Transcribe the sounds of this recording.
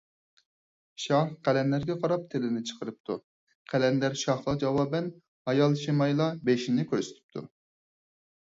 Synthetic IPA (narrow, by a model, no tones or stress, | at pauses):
ʃɑhqʰælɛnlæɾɡʲɛqʰɑɾɑp̚t̪ʰɪlɪnɪt͡ʃʰə̥qʰəɾɨp̚t̪ʰu | qʰælɛnd̪æɾʃɑhlˠɑd͡ʒɑwɑːbɛn | hɑjɑlˠʃimɑjlˠɑbeʃinɪkʲʰøɾsy̥t̪ʰɪ̥p̚t̪ʰṵ